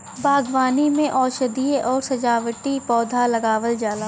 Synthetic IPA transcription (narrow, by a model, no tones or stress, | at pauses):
bʱaːɡʋaːnimẽʔɔːʃəd̪iʔɔːɾsɐd͡ʒaːʋəʈipɔːd̪ʱalɐɡaːʋəld͡ʒaːlaː